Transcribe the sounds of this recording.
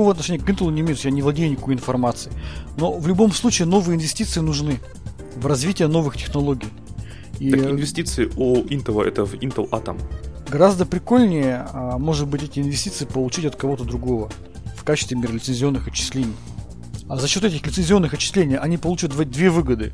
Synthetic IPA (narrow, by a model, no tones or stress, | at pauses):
o̞vəɐt̪nɐʂenʲjəkint̪əlˠʊnʲɪːmʲejt̪sjʲanʲɪvlˠɐdʲejnʲɪkojɪnfɐrmat̪sɨɪno̞vlʲʊbo̞mslˠut͡ɕɪːno̞vɨjəɪnvʲɪsʲtʲit̪sɨɪnʊʐnɨ | vrɐzvʲitʲɪjəno̞vɨxtʲɪ̥xnɐlˠo̞ɡʲɪj | iɪnvʲɪsʲtʲit̪sɨɪuint̪əlˠə̰ʔɛ̰t̪əvint̪əlˠa̰t̪əmɡɐɾazd̪əpɾʲɪkolʲnʲɪjəmo̞ʐɨt̪̚bɨtʲɛtʲɪɪnvʲɪsʲtʲit̪sɨɪpəlˠʊt͡ɕitʲɐt̪̚kɐvo̞t̪əd̪ɾʊɡo̞və | fkat͡ɕɪ̥st̪vʲɪmʲeɾəlʲɪt̪sɨnʲzʲɪo̞nːɨxɐt͡ɕːɪ̥sʲlʲenʲɪj | azɐɕːo̞t̪ɛtʲɪxlʲɪt̪sɨnʲzʲɪo̞nːɨxɐt͡ɕːɪ̥sʲlʲenʲɪjɐnʲipɐlˠut͡ɕat̪v̚d̪vʲevɨɡəd̪ɨ̰